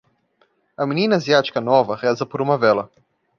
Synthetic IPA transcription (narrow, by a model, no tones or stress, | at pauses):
ɐminĩnɐaziat͡ʃi̥kɐnɔvɐʁɛzɐpoɾũmɐvɛlɐ